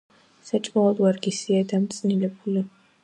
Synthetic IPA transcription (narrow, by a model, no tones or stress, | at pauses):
sat͡ʃʼmaɔd̪waɾɡisiad̪amt̪sʼnilɛbuli